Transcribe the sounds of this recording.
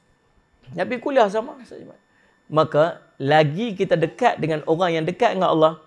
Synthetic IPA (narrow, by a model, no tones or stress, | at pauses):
naʔbikuliahs̬amasama̰ | maka | laɡikit̪adəkat̪̚dəŋanʔoɾaŋjaŋdəkaʔ̪̚əŋaʔɑlːɑh